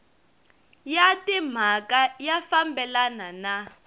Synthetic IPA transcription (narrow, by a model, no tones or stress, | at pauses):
jatʼim̤akajafambɛlanana